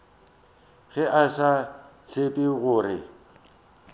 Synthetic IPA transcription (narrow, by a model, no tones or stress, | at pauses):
ɣɛʔasa | t͡sʰepʼɪɣʊːrɪ̰